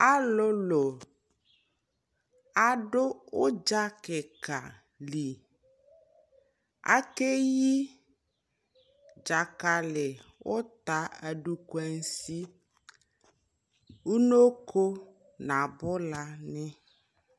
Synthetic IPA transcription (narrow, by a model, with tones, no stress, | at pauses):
a˦lo˦lo˨ | a˨ɖo˦wo˦d͡ʒa˦ke˨ka̰˨ | li˨ | a̰˦ke˦ji˦ | d͡ʒa˨ka˨le˨wo˦t̪a˨a˨ɖu˨kwɛ˨ŋ˦si˦ | wu˦no˦kʰo˦ | nã˨bɔ˦la˦nɛ̃˦